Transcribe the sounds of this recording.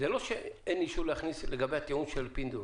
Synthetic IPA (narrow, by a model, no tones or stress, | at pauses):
zeloʃeeniʃulehaxnisleɡabeat̪eunʃelpind̪u